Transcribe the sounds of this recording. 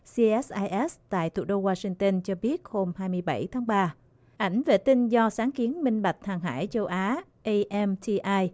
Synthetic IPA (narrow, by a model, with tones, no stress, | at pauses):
si˧ʔɛ˦˥ʔaː˧jʔɛ˦˥st̪a̰ː˧˨jt̪ʰṵ˧˩ɗo˧ɣwaː˧sï˧ŋt̪ə˧nt͡ɕɔ˧ɓi˦˥ət̚ho˧mhaː˧jmɨ˧əjɓə˧˩jt̪ʰaː˨˦ŋɓaː˧ | ʔa˧˩jŋ̟vḛ˧˨˩t̪ï˧nzɔ˧saː˨˦ŋki˨˦ənmï˧ŋ̟ɓa˨˩jk̟̚haː˨˩ŋɦa̰ː˧˥˨jt͡ɕə˧wʔaː˨˦ʔə˧ʔɛ˧mt̪ʰi˧ʔaː˧j